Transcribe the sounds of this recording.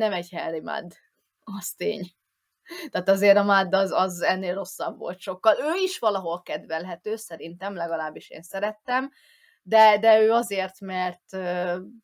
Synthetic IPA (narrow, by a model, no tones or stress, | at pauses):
nɛmɛɟhɛlːima̰d̪ː | ɒst̪ḛːɲ | t̪aːt̪ɒzeːɾɒmad̪ːɒzɒzɛnːeːlro̞sːɒbvo̞̰lt̪ʃo̞kːɒløːiʃʋɒlɒɦo̞lkɛd̪ʋɛlɦɛt̪øːsɛɾint̪ɛmlɛɡɒlaːbːiʃḛːnsɛɾɛt̪ːɛm | d̪ɛd̪ɛøːɒzeːrt̪mɛrt̪øː